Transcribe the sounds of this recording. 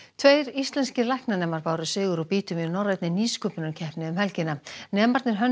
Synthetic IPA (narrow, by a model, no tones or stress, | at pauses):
t̪ʰveːjɾist̪lɛnscɪlajhknanɛːmaɾpaːwɾʏsʏːɣʏɾɔwpiːt̪ʏminɔrajt̪nɪniːskɔpɪnʏcʰɛhpnɪðʏmhɛlcɪnːanɛːmaɾt̪nɪɾ̥ɦœn